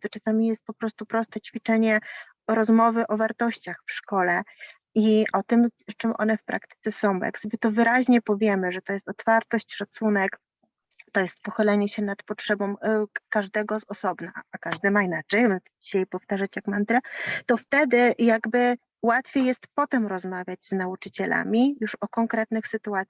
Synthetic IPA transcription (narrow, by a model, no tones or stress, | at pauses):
d̪ɔt͡ʂasamʲijɛst̪̚pɔpɾɔst̪upɾɔst̪ɛt͡ɕfʲit͡ʂɛɲɛ | ɾɔzmɔvɘʔɔvaɾt̪ɔɕt͡ɕaxfʂkɔlɛ | iʔɔt̪ɘmt͡ʂɨmʔɔ̰n̪ɛfpɾʔa̰kt̪ɘ̥t̪sɛsɔ̃w̃bɔ̰ja̰ksɔbʲjɛt̪ɔvɘɾaʑɲɛpɔvʲjɛmɘʐɛt̪ɔjɛst̪ɔt̪faɾt̪ɔɕt͡ɕʂat̪sunɛk | t̪ɔjɛst̪̚pɔxɘlɛɲɛɕɛnat̪pɔtʂɛbɔ̃mkaʐd̪ɛɡɔzɔsɔbna̰ːkaʐd̪ɘmainat͡ʂɛjd͡ʑiɕajpɔft̪aʐat͡ɕjakmand̪ɾɛt̪ɔft̪ɛd̪ɘjaɡbɘ | wat̪fʲjejɛst̪pɔt̪ɛmɾɔzmavʲjad͡ʑznaut͡ʂɘt͡ɕɛla̰mʲijuʂɔkɔŋkɾɛt̪nɘxsɘt̪uat̪sʲja